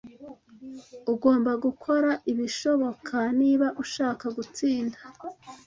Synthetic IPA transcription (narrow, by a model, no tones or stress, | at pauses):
uɡo̞ːmbaɡukʰo̞ɾaʔiβiʃo̞βo̞kʰaniːβaʔuʃaːkaɡut͡siːndḁ